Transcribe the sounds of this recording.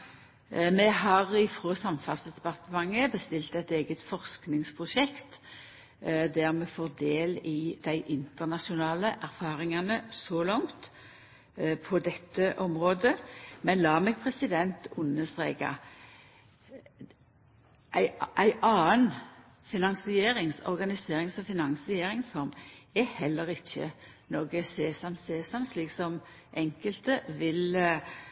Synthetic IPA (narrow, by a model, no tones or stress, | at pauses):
mɛɦɑʁɪfʁoːsɑmfɑsəd̪ɛpɑt̪əmɑŋːəbəst̪ɪlt̪ɛt̪eːɡət̪fɔʁsknɪŋspʰʁʊʃɛkt̪ | d̪æʁmɛfoːʁd̪eːlɪd̪̥æɪʔɪnt̪əʁnɑʃʊnɑːləʔæʁfɑːʁɪŋɑnəsɔlɔŋt̪ | pʰɔd̪ɛt̪ːəʔɔmʁoːd̪əmɛnlɑːmeːɡ̚pʰʁɛsɪd̪ɛnt̪ʊnəsʁeːɡɑ̰ | ʔæɪʔæɪʔɑːən | fɪnɑŋsɪeːɾɪŋsɔ̰ʁɡɑnɪseːʁɪŋsɔfɪnɑnsɪeːʁɪŋsfɔɾmɛhɛlːəɾɪçːə̰ | noːɡəɛseːsɑmseːsɑmsliːksɔm | ʔɛŋkəlt̪əʋɪl